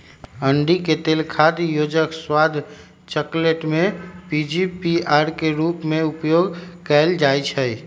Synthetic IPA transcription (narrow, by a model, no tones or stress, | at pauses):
əɳɖiket̪eːlkʰad̪joːd͡ʒəkswaːd̪ʱ | t͡ʃəkleʈmẽpid͡ʒipiaːɾkeɾuːpmẽʊpjoːɡkəɪld͡ʒaːjt͡ʃʰəi